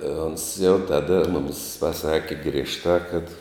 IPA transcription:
oːns jɛʊ ˈtɑːdɐ ˈmʊmʲɪs pɐˈsɑːkʲɪ ɡrʲiɛʃˈtɑː kɐt

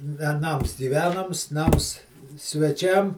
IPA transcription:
ʋʲɛˈnɐms ɡʲiːˈʋʲæːnɐms ˈnɐms sʲʋʲɛˈt͡ʃʲɛm

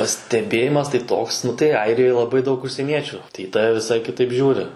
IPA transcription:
pɐsʲtʲɛˈbʲeːjɪmɐs tɐɪ ˈtoːks ˈnʊ tɐɪ ˈɐɪrʲɪjoːj lˠɐˈbɐɪ dɐˈʊk ʊʃʲsʲiɛˈnʲiɛt͡ʃʲʊ tɐɪ ɪ ˈtɑːʋʲɛ ʋʲɪˈsɐɪ kʲɪˈtɐɪp ˈʒʲuːrʲɪ

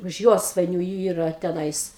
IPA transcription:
ʊʃ ˈjoːsʋɐɪnʲuː ˈiːrɐ tʲɛˈnɐɪs

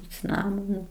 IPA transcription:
ɪ t͡sʲɪˈnɑːmoːnʊ

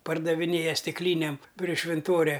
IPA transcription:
pɐrdɐʋʲɪˈnʲeːjɛ sʲtʲɪkˈlʲiːnʲeːm pʲrʲɪ ʃʲʋʲɪnˈtoːrʲɛ

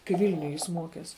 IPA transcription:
kɐɪ ˈʋʲɪlʲnʲʊj ˈjɪs ˈmuɔkʲɛs

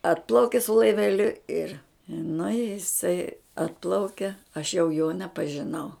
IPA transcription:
ˈɑːtplˠɐʊkʲɪ sʊ lˠɐɪʋʲɛˈlʲʊ ɪr nʊ ɪ jɪˈsɐɪ ˈɑːtplˠɐʊkʲɛ ɐʃ jɛʊ joː nʲɛpɐʒʲɪˈnɐʊ

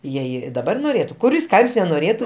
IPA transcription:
ˈjɛɪ ˈjiɛ dɐˈbɐr noːˈrʲeːtʊ kʊˈrʲɪs ˈkɐɪms nʲɛnoːˈrʲeːtʊ

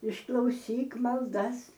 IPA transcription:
ɪʃklˠɐʊˈsʲiːk mɐlˠˈdɐs

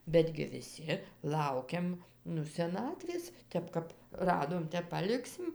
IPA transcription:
ˈbʲæːdʲɡʲɪ ʋʲɪˈsʲɪ ˈlˠɐʊkʲɛm ˈnʊ sʲɛˈnɑːtʲʋʲeːs ˈtʲɛp kɐp ˈrɑːdoːm ˈtʲɛp pɐˈlʲɪksʲɪm

